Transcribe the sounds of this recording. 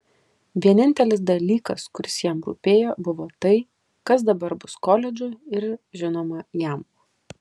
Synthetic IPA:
ʋʲiɛnʲɪnʲt̪ʲɛlʲɪsd̪ɐlʲiːkɐskʊɾʲɪsjɛmɾṵpʲeːjoːbʊʋoːt̪ɐɪ | kɐs̬d̪ɐbɐɾbʊskoːlʲɛd͡ʒʲʊɪɾʒʲɪnoːmɐjɛm

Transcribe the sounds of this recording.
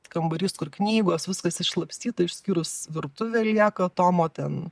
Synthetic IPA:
kɐmbɐɾʲist̪kʊrknʲiːɡoːsʋʲɪskɐsɪʃʃlˠɐpʲsʲt̪ʲiːt̪ɐɪʃʲsʲkʲiːɾʊsʋʲɪrt̪ʊʋʲɛːlʲiɛkɐt̪oːmoːt̪ʲɛn

